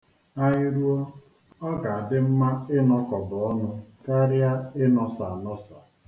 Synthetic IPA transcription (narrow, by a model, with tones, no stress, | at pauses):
a˦ɲi˦ɾu˦ɔ˦ | ɔ˦ɡa˨a˨dɪ˦m̩˦ma˦ɪ˦nɔ˦kɔ˨bʊ˨ɔ˦nʊ˦ka˦ɾja˦ɪ˦nɔ˨sa˨nɔ˦sa˨